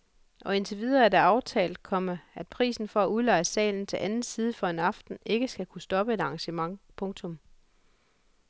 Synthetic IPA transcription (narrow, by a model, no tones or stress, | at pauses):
ʔɒ̽e̝nt͡sʰe̝ʋið̞ˠɐæɐdæɑ̈ʊt͡sʰɛ̰ːld̥̚kʰɒ̽məæd̥̚pʰʁḭːsn̩fɒ̽æuðˠlɑ̈ɪsɛ̰ːln̩t͡sʰe̝lʔænn̩siːð̞ˠəfɒ̽e̝nɑ̈fd̥n̩e̝ɡ̥əsɡ̥ækʰusd̥ɒ̽b̥əe̝d̥ɑ̈ŋɕəmɑ̈ŋpʰɔ̽ŋt͡sʰɔ̽m